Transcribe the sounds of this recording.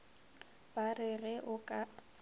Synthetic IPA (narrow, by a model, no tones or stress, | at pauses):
b̥arɪɣɛʔʊkʼa